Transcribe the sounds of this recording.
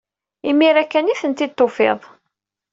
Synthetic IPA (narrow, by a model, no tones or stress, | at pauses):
imːiɾækːæniθənt̪id̪̚t̪ˤːofḛðˤ